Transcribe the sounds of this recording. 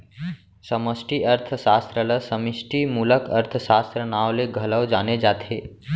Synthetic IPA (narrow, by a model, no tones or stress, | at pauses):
səməsʈiəɾt̪ʰsaːst̪ɾələsəmɪsʈimuːləkɐ̰ɾt̪ʰsaːst̪ɾənaːwleɡʱələwd͡ʒaːned͡ʒaːt̪ʰeː